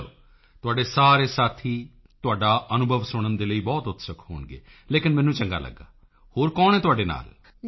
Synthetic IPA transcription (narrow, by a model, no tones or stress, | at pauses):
t̪ʊaːɖeːsaːɾeːsaːt̪ʰiː | t̪ʊaːɖaːʔənʊbʱəʋsʊɳ̃ənd̪eːləiːbɔːt̪ʊt̪ʰːsəkʰɦo̰ːɳɡḛː | leːkɪnmɛ̃ːnũːt͡ʃəŋɡa̰ːlə̰ɡːa̰ː | hoːɾkɔːñɛ̃ːt̪ʊaːɖeːna̰ːl